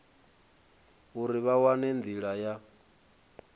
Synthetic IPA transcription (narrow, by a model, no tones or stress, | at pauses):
uɾiβawanɛnd̪iɺaja